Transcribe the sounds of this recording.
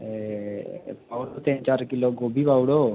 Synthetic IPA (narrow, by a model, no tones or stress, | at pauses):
paːʋɽot̪ẽnt͡ʃaːɾkɪloɡoːbʱiːpaːwɽo